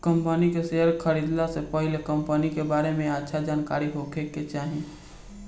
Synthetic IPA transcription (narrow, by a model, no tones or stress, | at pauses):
kə̃mpənikeseːɦəɾkʰəɾiːd̪lasepəɦɪlekə̃mpənikebaːɾemẽatːʃʰad͡ʒaːnkaːɾiɦokeket͡ʃaːɦie